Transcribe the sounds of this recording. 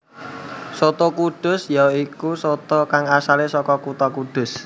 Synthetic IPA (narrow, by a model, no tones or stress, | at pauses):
sot̪okuɖ̥ʊ̤sjaikusot̪ɔkaŋasalesɔkɔkut̪ɔkuɖ̪̥ʊ̤s